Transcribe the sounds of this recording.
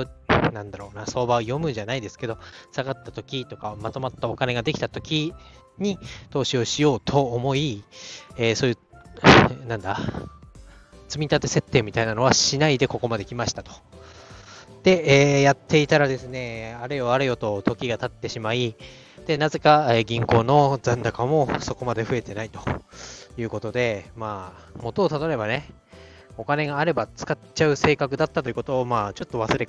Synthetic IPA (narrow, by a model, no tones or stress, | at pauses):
onãnd̪aɾo̞ːnaso̞ːbaojo̞mɯ̟ʑanaid̪e̞sɨ̥ke̞d̪o̞saɡat̪ːat̪o̞kʲit̪okaomat̪o̞mat̪ːao̞kane̞ɡad̪e̞kʲi̥t̪at̪o̞kʲi | ɲ̟it̪o̞ːɕio̞ɕijo̞ːt̪ʰo̞ːmo̞i | eːso̞ːjɯ̟ | nãnd̪a | t͡sɨmʲit̪at̪e̞se̞t̪ːe̞ːmʲit̪ainano̞βaɕinaid̪e̞ko̞ko̞mad̪e̞kʲimaɕi̥t̪at̪o̞̥ | d̪̥e̞eːjat̪ʰːe̞it̪aɾad̪e̞sɨne̞aɾejo̞aɾejo̞t̪o̞t̪o̞kʲiɡat̪at̪ːe̞ɕimai | d̪̥e̞naze̞kaeɡʲĩŋko̞ːno̞zãnd̪akamo̞so̞ko̞mad̪e̞ɸɯ̟e̞t̪e̞nait̪o̞̥jɯ̟ːko̞t̪o̞d̪e̞maː | mo̞t̪o̞ːt̪ad̪oɾe̞bane̞ | o̞kane̞ɡaːɾe̞bat͡sɨ̥katt͡ɕaɯ̟se̞ːkakɯ̟d̪at̪ːat̪o̞jɯ̟kot̪o̞ːmaːt͡ɕo̞t̪ːo̞βasɨɾe̞